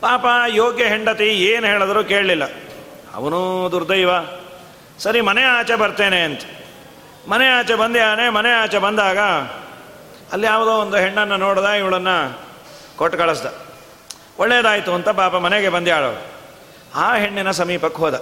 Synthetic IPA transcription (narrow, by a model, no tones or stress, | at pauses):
paːpɐjoːɡjɐɦeɳɖɐt̪ieːnɦeːɭɐd̪ɐɾuːke̞ːɭɐlilːɐ | ɐ̰ʋɐnud̪uɾd̪ɐjʋaː | sɐɾimɐneaːt͡ʃebɐɾt̪eːneɐnt̪ɐ̥ | mɐneaːt͡ʃebɐnd̪iaːɭɐneːmɐneaːt͡ʃebɐnd̪aːɡɐ | ɐlːijaːʋɐd̪oːond̪uɦeɳːɐnːɐnoːɽd̪aːiʋɐɭɐnːɐ | koʈːkɐɭɐsd̪ɐ | ɔɭːejd̪aːjit̪uɐnt̪ɐpaːpɐmɐneɡe̞bɐnd̪iaːɭɐ̰ʋɐ̰ | aːɦeɳːinɐsɐmiːpɐkːɦoːd̪ɐ